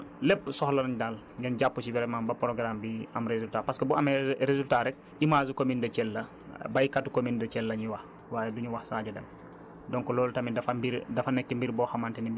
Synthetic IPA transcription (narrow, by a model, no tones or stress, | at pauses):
lɛpːsɔxlɐnndal | ŋɡɛnɟapːusibɛɾɛmaːmbɐpɾoɡɾambiɐmɾezultapɐskəbuɐmɛɾezultaɾɛk̚ | imaːzukomindɐt͡ʃɛlːɐ | bɐjkatukomindɐt͡ʃɛlːɐɲiwɐx | waːjɛduɲuwɐxsaːɟɐdɐ̰n | dɔŋkɔlɔːltɐmidɐfɐmbiɾdɐfɐnɛk̚timbiɾbɔːxɐmantɛnib